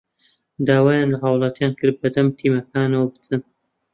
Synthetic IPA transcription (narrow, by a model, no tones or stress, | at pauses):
d̪aːwaːjaːnlɐɦɐwlˠɑt̪jaːnkɨɾ̚bɐd̪ɐmt̪ʰiːmɐkaːnɐwɐbɨt͡sʰɨn